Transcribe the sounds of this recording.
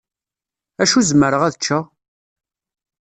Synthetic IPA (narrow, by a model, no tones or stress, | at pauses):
æʃuzməɾəʁæðət͡ʃːa